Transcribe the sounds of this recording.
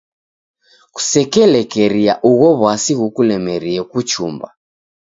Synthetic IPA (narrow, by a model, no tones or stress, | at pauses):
ku̥sɛkɛlɛkɛɾiaʔuɣɔβwasiɣukulɛmɛɾiɛkut͡ʃumba̰